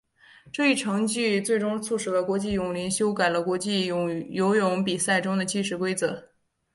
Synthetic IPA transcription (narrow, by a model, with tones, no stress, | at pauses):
ʈ͡ʂɤ˥˧i˥˩ʈ͡ʂʰɤ˧˥ŋt͡ɕy˥˧t͡swe˥˩ɪʈ͡ʂʊ˥ŋt͡sʰu˥˩ʂɻ̩˨˩lə˧˩kwɔ˧˥t͡ɕi˥˩jʊ˨˩ŋli˧˥nɕjo˥ʊka˨˩ɪlə˦kwɔ˧˥t͡ɕi˥˩ʊ˧˩jo˧˥ʊjʊ˧˥ŋpi˨˩sa˥˩ɪʈ͡ʂʊ˥ŋd̪ə˨t͡ɕi˥˩ʂɻ̩˧˥kwe˥ɪt͡sɤ˧˥